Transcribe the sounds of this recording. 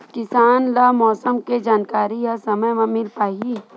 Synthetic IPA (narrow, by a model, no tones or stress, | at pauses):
kɪsaːnlamɔːsəmked͡ʒaːnkaːɾiɦasɐməjmãmɪlpaːɦi